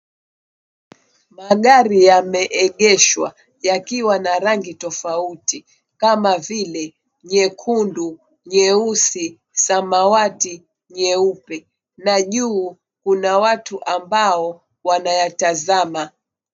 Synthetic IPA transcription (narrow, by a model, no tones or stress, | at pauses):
maɠaɾijamɛʔɛɠɛʃwa | jakiwanaɾaŋɡitɔfauti | kamavilɛ | ɲɛkʰundu | ɲɛusi | samawati | ɲɛupɛ | naʄuː | kunawatuʔambaɔ | wanajatazama